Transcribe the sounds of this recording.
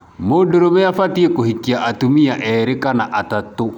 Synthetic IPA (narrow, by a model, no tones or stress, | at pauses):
modoɾomeafatiekohikiaʔatumiaʔɛɾekanaʔatato